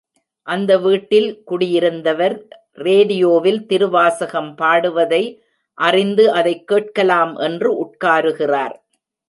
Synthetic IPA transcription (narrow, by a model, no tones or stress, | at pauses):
ʔɐnd̪ɐʋiːʈːɪlkʊɽɪjɪɾɯnd̪ɐʋɐɾ | reːɽɪjoːʋɪlt̪ɪɾɯʋaːsɐɣɐmpaːɽɯʋɐðɐɪ | ʔɐrɪnd̪ɯʔɐðɐɪkːeːʈ̚kɐlaːmʔɛndrɯʔʊʈ̚kaːɾɯɣɪraːɾ